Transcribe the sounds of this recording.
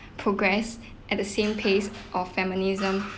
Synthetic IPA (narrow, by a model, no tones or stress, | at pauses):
pʰɹoɡɹɛs | ʔɛt̚dəsẽmpʰesʔɔffɛmɪnizə̃m